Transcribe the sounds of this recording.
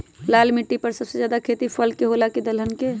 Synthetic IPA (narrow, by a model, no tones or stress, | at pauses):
lalmiʈːipəɾsəbsed͡ʒad̪akʰet̪ipʰəlkeɦolaked̪əlɦənke